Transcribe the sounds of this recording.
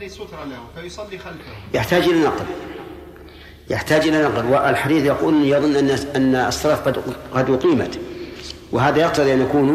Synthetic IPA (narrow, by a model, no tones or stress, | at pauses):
jɪħt̪aːd͡ʒʔɪlanɑql | jɪħt̪aːd͡ʒʔɪlanɑqlwɪʔɪlħad̪iːθjɑquːlnjɑðˤʊnːʔʔanːasˤːɑɾɑːfqɑd̪qɑd̪wʊqiːma̰t̪ | wɪɦaːðajɑq̚t̪ɑðˤiʔanʔakuːn